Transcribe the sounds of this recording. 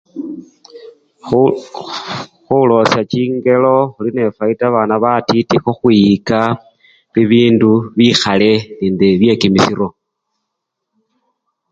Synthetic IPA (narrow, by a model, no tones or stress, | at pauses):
xulo̞sat͡ʃiːŋɡe̞lo̞xuline̞faitaβanaβatitixoxwiika | βiβiːnduβixale̞niːndeβje̞kimisiɾo̞